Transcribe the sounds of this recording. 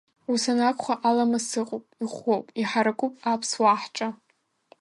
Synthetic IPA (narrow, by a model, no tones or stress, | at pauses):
usanakʷʰʼχʷaʔalamasɨqʼopʼiχʷowpʼiħaɾakʷʼupʼapʰswaħʈ͡ʂʼa